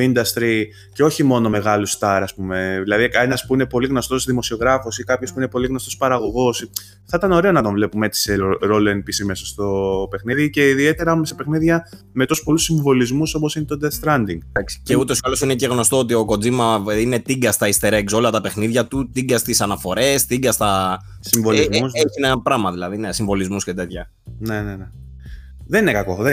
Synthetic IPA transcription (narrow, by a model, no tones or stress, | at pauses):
ind̪ɐst̪ɾi | ceo̞çimo̞no̞me̞ɣɐlust̪ɐɾɐspume̞ðilɐðienɐspuine̞po̞liɣno̞st̪o̞sðimo̞sio̞ɣɾɐfosikɐpço̞spuinepo̞liɣno̞st̪ospɐɾɐɣo̞ɣo̞s | θɐit̪ɐno̞ɾe̞o̞nɐt̪o̞ɱvle̞pume̞t̪i̥seɾo̞loenpisimesɐst̪o̞pe̞xniðice̞iðie̞t̪e̞ɾɐumst̪ɐpe̞xniðʝɐ | me̞t̪osu̥po̞lusiɱvo̞lizmuso̞posinet̪o̞d̪est̪ɾɐnd̪iŋɡd̪ɐksi̥ce̞ut̪o̞si̥ɐlo̞sinece̞ɣno̞st̪oot̪̬io̞ko̞d͡zimɐine̞t̪iɡɐst̪ɐist̪e̞ɾekso̞lɐt̪ɐpe̞xniðʝɐt̪ut̪iŋɡɐst̪isɐnɐfo̞ɾe̞st̪iɡɐst̪ɐ | siɱvolzeçinpɾɐmɐðilɐðinesiɱvo̞lizmuscet̪e̞t̪çɐ | ne̞nene | ðeninekɐko̞ðe